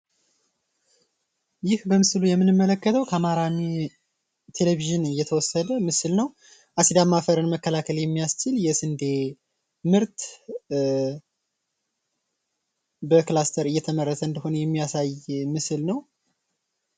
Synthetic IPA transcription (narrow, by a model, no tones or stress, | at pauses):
jɪhbəmɨslujɛmːɨnɨmːələkːət̪ʰəwkʰəamaɾami | t̪ʰe̞leβiʒɨnɨjːɛt̪ʰəwɔsːəd̪əmɨsɨlnəw | ʔasid̪amːafəɾɨnməkːəlakʰəljɛmːijast͡ʃɪljɛsɨnd̪e | mɨɾt̪ | bəklast̪ʰəɾɨjːɛt̪ʰəmərːət̪ʰəɨnd̪əho̞nəjɛmːijasajmɨsɨlnəw